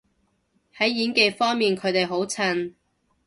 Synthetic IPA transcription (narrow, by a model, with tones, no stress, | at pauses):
hɐ˨˥jːiː˨˥nke˨˧jfɔː˥ŋmiː˨nkʰɵ˨˧ɥt̪e˨jɦo˨˥wt͡sʰɐ˧n